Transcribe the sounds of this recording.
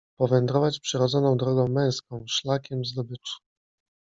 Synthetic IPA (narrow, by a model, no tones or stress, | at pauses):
pɔvɛnd̪ɾɔvat͡ɕpʂɘɾɔd̪zɔnɔ̃w̃d̪ɾɔɡɔ̃w̃mɛ̃w̃skɔ̃w̃ʂlakʲɛmzd̪ɔbɘt͡ʂu̥